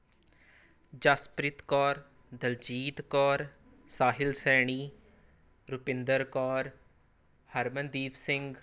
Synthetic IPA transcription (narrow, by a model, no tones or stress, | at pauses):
d͡ʒaspɾɪt̪kɔːɾ | d̪əld͡ʒiːt̪kɔːɾ | saːɦɪlsɛːɳ̃iː | ɾʊpɪnd̪əɾkɔːɾ | həɾmənd̪iːpsɪ̃ŋɡ